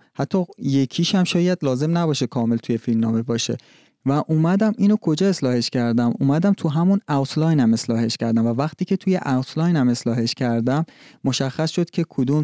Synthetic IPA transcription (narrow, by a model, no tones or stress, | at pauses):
hæt̪ʰːɒːje̞cʰiːʃæmʃɒːjæd̪lɒːze̞mnæbɒːʃekʰɒːme̞lt̪ʰuje̞filmnɒːme̞bɒːʃḛ | væʔuːmæd̪æmiːnokʰo̞d͡ʒɒːe̞slɒːhe̞ʃcʰæɾd̪æmṵːmæd̪æmt̪ʰuɦæmunæwt̪ʰlɒjnæme̞slɒːɦe̞ʃcʰæɾd̪æmvævæχt̪ʰiːcʰe̞t̪ʰujeʔæwt̪ʰlɒːjnæme̞slɒːɦe̞ʃcʰæɾd̪æmːoʃæxːæsʃod̪̥cʲʰe̞kʰod̪uːm